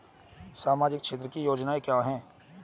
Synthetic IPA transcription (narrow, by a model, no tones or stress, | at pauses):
saːmaːd͡ʒɪk̚ʃʰeːt̪ɾəkijoːd͡ʒnaekjaːɦɛ̃ː